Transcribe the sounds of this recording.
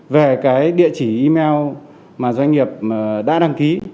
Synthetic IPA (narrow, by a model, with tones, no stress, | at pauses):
ve˨˩kaː˨˦jɗḭ˧˨ət͡ɕi˧˩ʔi˧mɛ˧w | maː˨˩zwa˧ŋ̟ŋi˨˩əp̚ɗa̰ː˧˥ɗa˧ŋki˨˦